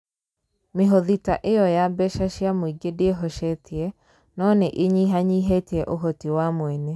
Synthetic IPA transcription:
meɦoðitaʔejɔjabɛʃaʃiamoiɡedeeɦɔʃɛtʰiɛ | nɔːnɛʔeɲiɦaɲiːɦeteɛʔoɦɔtiwamwɛnɛ

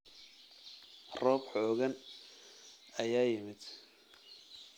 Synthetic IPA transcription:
rɔːbħɔːɣɐn | ɐjaːjɪmɪd̪̥

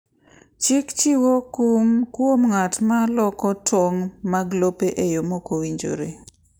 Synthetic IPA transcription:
t͡ʃɪkt͡ʃiwokmkwomŋatmalɔkɔtwoŋmaɡlopeʔejomokowiɲd͡ʒo̰ɾe

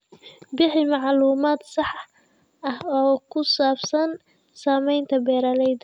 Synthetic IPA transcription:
bɪħɪmɑʕluːmaːd̪sɑħ | ɐhɔːkʰʊsaːbsɐn | saːmɛjnt̪ʰɐbɛːɾɐlɛjd̪

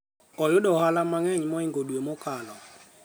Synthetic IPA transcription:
ɔjʊdɔhalamaŋɛɲmɔiŋɡodwemokalɔ

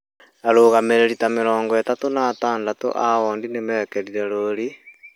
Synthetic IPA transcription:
naɾoːɣameɾeɾitameɾɔːŋɡɔɛtatonaːtaːndato̰ʔaɔːndinemɛːkɛɾiɾɛɾoɾi

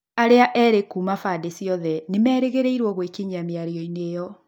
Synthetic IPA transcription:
aɾeaʔɛːɾekumafadesjɔðɛnemɛːɾeɣeɾeiɾwɔɣwekiɲameaɾiɔinejɔ

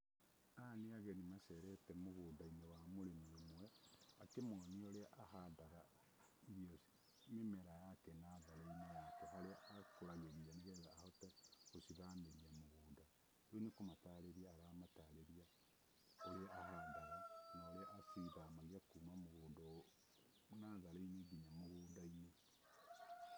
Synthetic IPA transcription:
aneaɣɛnimasɛɾɛtɛmoɣoːdainɛwamoɾemiomoakemwɔnioɾeaʔaɦadaɣa | iɔs | mimeɾajakɛnaːðaɾeinajakɛɦaɾeakoɾaɣeɾianeɣɛðaːhɔtɛosiðameɾiamoɣoːnda | onekomataɾeɾiaːɾamataɾeɾia | oɾeaahandaɣanaoɾeaʔasiðamaɣiakumamoɣoːndo | naðaɾaineɡiɲamoɣoːdaine

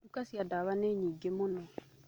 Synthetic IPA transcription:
ukasiadaβaneɲĩɡemʊnɔ

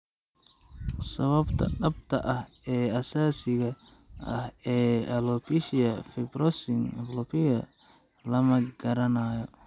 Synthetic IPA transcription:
sɐβɐbt̪ʰɐ̰ɖɐbt̪ʰɐʔɐhɛːɐsaːsɪɣɐ | ɐhɛːɐlɔpʰɪʃɪjɐfɛbɾɔsɪŋflɔpʰɪɣɐ | lɐmɐɡɐɾɐnaːjɔ

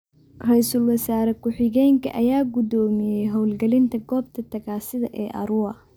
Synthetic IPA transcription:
rɛjsʊlwɐsaːɾɛkʰʊħɪɣɛːŋkʰɐ̰ʔɐjaːɡʊd̪ɔːmɪjɛjɦɔwlɡɐlɪnt̪ʰɐɡɔːb̚t̪ʰɐt̪ʰɐɣaːsɪðɐʔɛːʔɐ̰ɾʊɐ

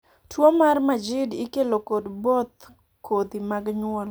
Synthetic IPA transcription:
twomarmad͡ʒɪdikelokodbot̪ | kʰot̪imaɡɲwɔl

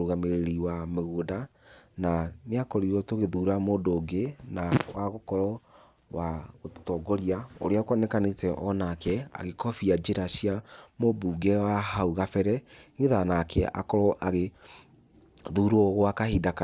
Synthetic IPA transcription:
oɣameɾeɾiwameɣodananeakɔɾiɾɔtoɣeðuːɾamoːdoːɡenawaɣokɔɾɔ | waɣotɔːɡɔɾiaoɾeakwanɛkanetɛʔɔnakɛa̰ɣekʰɔfiad͡ʒeɾaɕiamobuɡɛwaɦauɣafɛɾɛŋiðanakʰɛʔa̰kɔɾɔʔaɣe | ðuːɾoɔɣoakahidaka

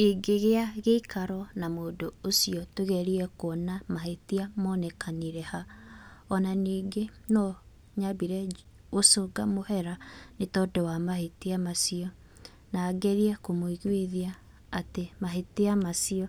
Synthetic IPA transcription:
eɡeɣeaɣeikʰaɾɔnamoːdoosiɔtoɣɛɾiɛkoɔnamahetiamɔːnɛkaniɾɛhaɔnaniːŋɡenɔ | ɲabiɾɛ | osoɡamohɛɾanetɔdɔwamaɦeteamasiɔ | naːɡɛɾiɛkomoiɣweðiaː | temaɦeteamasiɔ

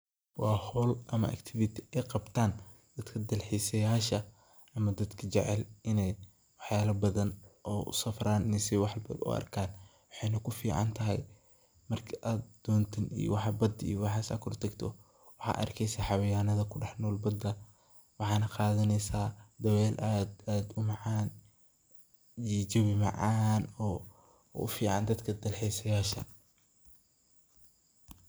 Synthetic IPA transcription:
wɑːhɔːlʔɐmɐ̰ʔɐ̰kt̪ʰɪvɪt̪ʰɪɛjqɑbt̪ʰaːn | d̪̥ɐd̪kʰɐd̪ɐlħiːsɐjaːʃɐ | ɐmɐd̪ɐd̪kʰɐt͡ʃɛʕɛlɪnɛj | wɑħjaːlɐbɐðɐnʔɔːʊ̰sɐfɾaːnnɪsɛwɑħbɐ̰d̪ʊ̰ʔɐ̰rkʰaːn | wɑħɑjnɐkʰʊfḭːʕɑ̰nt̪ʰɐɦɛ̰j | mɐrkʰɐʔaːd̪d̪̥ɔːnt̪ʰɐnḭj̰wɑħbɐd̪ḭjɔwɑħɑːsɐ̰kʰɔrt̪ʰɐɡt̪ʰɔ | wɑħɑ̰ːʔɐ̰rkʰɛjsɐħɑwɐjaːnɐðɐkʰʊɖɛħnɔːlbɐd̪ɐ | wɑħɑːnɐqɑːðɐnɛsaːd̪ɐwɛːlʔd̪aːd̪ʊmɑʕɑːn | it͡ʃɔβɪmɑ̰ʕɑːnɔː | ʊ̰fiːʕɑ̰nd̪ɐd̪kʰɐd̪ɐlħɛjsɐjaːʃɐ̰

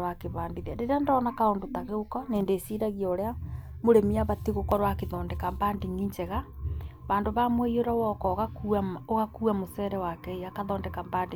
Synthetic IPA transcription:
wakeβaːndiðaɾeɾeandɔːnakaondotaɣeokɔneːndeːsiɾaɣiaoɾea | moɾemiaβatiɣokɔɾwakeðɔːndɛkambaːndiŋiɲd͡ʒɛɣaβaːndoβamweioɾawɔkɔɣakuaoɣakuːamosɛɾɛwakɛiakaðɔːndɛkambande

